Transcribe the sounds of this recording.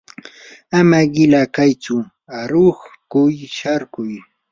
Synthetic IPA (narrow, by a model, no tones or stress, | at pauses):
amaɢɪlakajt͡ʃʊ | aɾoχkʊjʃaɾkʊj